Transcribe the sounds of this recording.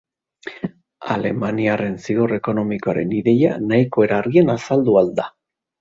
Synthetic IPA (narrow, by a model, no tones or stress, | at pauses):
a̰le̞maniare̞nsiɣore̞ko̞no̞mikoaɾe̞̰niðe̞ja̰naiko̞e̞ɾaɾɣienasald̪uald̪a